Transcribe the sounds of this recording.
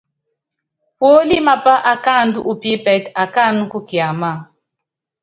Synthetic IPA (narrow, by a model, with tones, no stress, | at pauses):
po˦li˦ma˨pa˦ʔa˨ka˦˨ndu˦ʔu˨pi˦pɛ˨ta˨ka˦˨nu˦ku˦kja˨ma˦˨